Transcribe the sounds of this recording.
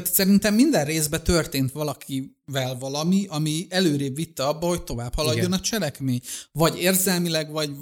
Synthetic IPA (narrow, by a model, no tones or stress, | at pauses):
t̪sɛɾint̪ɛmːind̪ɛrreːzbɛt̪ø̞rt̪eːnt̪ʋɒlɒkʰi | vɛlvɒlɒmiʔɒmiɛløːɾeːbvit̪ːɛɒbːɒho̞ct̪o̞vaːphɒlɒɟːo̞nɒt͡ʃɛlɛkmeːɲvɒɟeːrzɛlmilɛɡʋɒɟ